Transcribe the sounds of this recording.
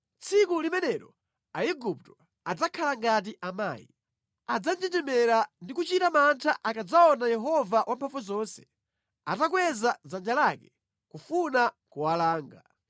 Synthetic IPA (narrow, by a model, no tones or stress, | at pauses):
t͡sʰikulimɛnɛɾɔ | aiɡup̚tɔ̥ | ad͡zakʰalaŋɡat̬iʔama̰ːjḭ | ad͡zand͡ʒitɛmɛɾandikut͡ʃitamantʰaʔakad͡zaɔnajɛɦɔvawampʰafuzɔnsɛ̥ | atakwɛzazand͡ʒalakɛ | kufuna | kuwalaːŋɡa̰